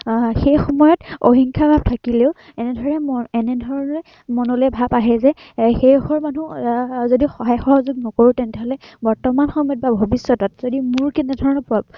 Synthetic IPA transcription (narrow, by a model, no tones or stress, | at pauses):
xejxɔmɔjɔtoɦiŋkʰabʱab̚tʰakileʊ | ɛnɛdʱɔɹɔnɛmɔɛnɛdʱɔɹɔnɛ | mɔnɔlojbʱabaɦɛzɛ | xejxɔɹmanuzodixɔɦajxɔɦɔzʊɡ̚nɔkoɹutɛntɛɦɔlɛbɔɹtɔmanxɔmɔt̚babʱobisːɔtɔtzodimʊɹkɛnɛdʱɔɹɔnɔpʊab̚